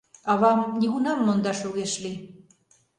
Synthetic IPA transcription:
ɑβɑmnʲiɣunɑmːond̪ɑʃuɣeʃli

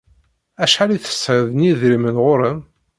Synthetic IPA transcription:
æʃħaliθə̥sːʕəðniðɾimənʁʊɾəm

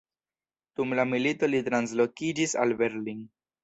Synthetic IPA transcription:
d̥umlamilito̞litɾans̬lo̞kid͡ʒisa̰lbeɾliŋ

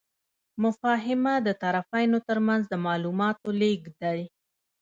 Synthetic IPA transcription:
mʊfɑɦɪmad̪ət̪aɾafajnot̪əɾmanzd̪əmɑlumɑt̪oleɡd̪aɽi

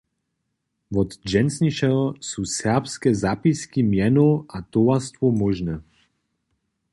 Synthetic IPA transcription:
vɔd̪d͡ʒɛnsniʃɛɦɔsuːsɛʁpskɛzapiskimjɛnoʔat̪ɔwast̪vɔmɔʒnɛ

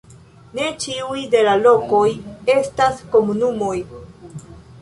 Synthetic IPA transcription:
ne̞t͡ʃiujde̞lalo̞ko̞je̞stasko̞munumo̞j

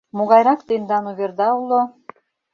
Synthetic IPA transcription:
muʁɑjɾɑkt̪ɤnd̪ɑnuβʲeɾd̪ɑulˠo

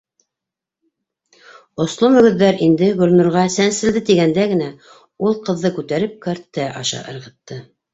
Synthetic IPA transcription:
ŏslˠomɵ̆ɡɵ̆ðːæɾind̪ɘɡɵ̆lʲnuɾʁɑsænsɘ̆ld̪ɘt̪iɡænd̪æɡɘ̆næ | ulˠqɤ̆ðːɤkʉt̪æɾɘp̚kɑɾt̪ːæʔɑʃɑ̰ʔɤ̰̆ɾʁɤ̆t̪ːɤ

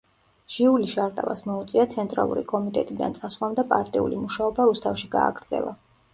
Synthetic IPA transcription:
ʒ̥iuliʃaɾt̪ʼa̰va̰smɔut̪sʼiat̪sʰɛnt̪ʼɾa̰lˠṵɾikʼɔmit̪ʼɛt̪ʼid̪a̰nsʼaswamd̪apʼaɾt̪ʼiṵlimuʃaɔbaɾust̪ʰafʃiɡa̰ːɡɾd̪zɛ̰lˠa̰

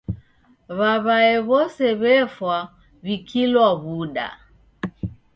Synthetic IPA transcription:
βaβaɛβɔsɛβɛfwa | βikʰilwaβuɗa̰

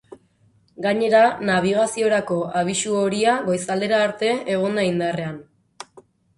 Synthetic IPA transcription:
ɡaɲe̞ɾanaβ̞iɣ̞asio̞ɾako̞ʔaβ̞isuoɾiaɣo̞jsald̪e̞ɾaːɾt̪e̞eɣ̞ond̪aind̪are̞an

